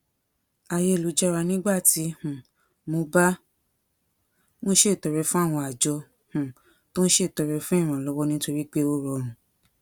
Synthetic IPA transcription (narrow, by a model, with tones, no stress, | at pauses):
a˧je˦˨lu˨˦d͡ʒɛ˦ɾa˧nĩ˦ɡ͡ba˦˨ti˧˦hũ˨ | mo˧ba˦ | mõ˦ʃe˦˨tɔ˨ɾɛ˧fũ˦a˦˨w̃ɔ̃˧a˨d͡ʒɔ˧ | hũ˨ | tõ˦n̩˦ʃe˦˨tɔ˨ɾɛ˧fũ˦ĩ˦˨ɾ̃ã˨lɔ˨˦wɔ˦nĩ˦to˧ɾi˦k͡pe˦o˦ɾɔ˧ɾ̃ũ˨